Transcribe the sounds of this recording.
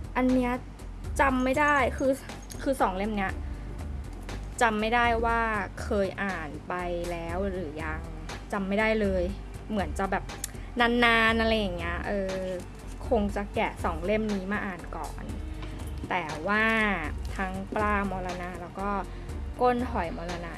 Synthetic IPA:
ʔa˧nːi˦˥ɐ | t͡ɕa˧mːa˥˩jdaː˥˩jkʰɯː˧ | kʰɯː˧sɔː˩˦ŋle˥˩mni˦˥ɐ | t͡ɕa˧mːa˥˩jdaː˥˩jwaː˥˩kʰɤː˧jʔaː˨˩npa˧jlɛː˦˥wɾɯː˩˦ja˧ŋ | t͡ɕa˧mːa˥˩jda˥˩jlɤː˧j | mɯ˨˩˦nt͡ɕa˨˩bɛː˨˩p̚ | naː˧˥nːaː˧nʔa˧ɾa˧jːa˨˩ŋːi˦˥ɐʔɤː˧ | kʰo˧ŋt͡ɕa˨˩kɛ˨˩sɔː˩˦ŋle˥˩mniː˦˥maː˥˩ʔaː˨˩nkɔ̰ː˨˩n | t̪ɛː˨˩waː˥˩t̪ʰa˦˥ŋplaː˥˩mɔː˧la˧naː˧lɛː˦˥wkɔː˥˩ | ko˥˩nhɔ˨˩˦jmɔː˧la˧naː˧

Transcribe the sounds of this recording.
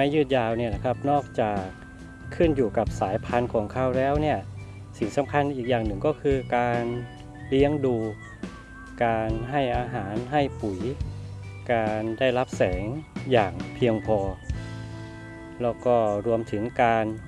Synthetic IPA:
maː˦˧˥jɯː˥˩t̪̚jaː˧wni˥˩ɐna˧˩kʰa˦˥p̚nɔː˥˩k̚t͡ɕaː˨˩k̚ʰː | ɯ˥˩njuː˨˩ka˨˩p̚saː˩˦jpʰa˧nkʰɔː˩˦ŋkʰa˥˩wlɛː˦˥˩wni˥˩ɐ | si˨˩ŋsa˩˦mkʰa˧˥˨nʔiː˨˩k̚jaː˨˩ŋnɯ˨˩ŋkɔː˥˩kʰɯː˧kaː˧n | li˦˥əŋduː˧ | kaː˧nɦa˥˩jʔaː˧ɦaː˩˦nɦa˥˩jpu˩˦j | kaː˧nda˥˩jla˦˥p̚sɛː˩˦ŋjaː˨˩ŋpʰi˧əŋpʰɔː˧ | lɛː˦˥˩wkɔː˥˩ɾu˧əmt̪ʰɯ˩˦ŋkaː˧n

